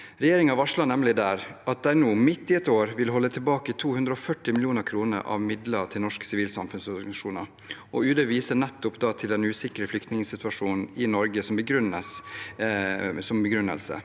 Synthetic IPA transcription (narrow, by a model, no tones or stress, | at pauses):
ɾɛjeːɾɪŋɑʋɑʂɭɑnɛmlɪd̪æːɾɑt̪̚d̪æɪnuːmɪt̪ːɪɛt̪oːɾʋɪlɦɔlːət̪ʰɪlbɑːkət̪ʰuːhʉnd̪ɾɔfœʈːɪmɪlɪjuːnəɾkʰɾuːnə̰ɾʔɑ̰ʋmɪd̪ləʈʰɪlnɔʂksɪʋiːlsɑ̰mfʉnsɔɾɡʂuːnɑ̰ɾ | ʔɔʉːd̪əʋiːsənɛt̪ːʊpd̪ɑːt̪ʰɪld̪ɛnʉːsɪkəɾəflʏkt̪nɪŋəsɪt̪ʉʋɑʂuːnn̩ɪnɔɾɡəsɔmbəɡɾʉnːəs | sɔmbəɡɾʉnə̰lsə̰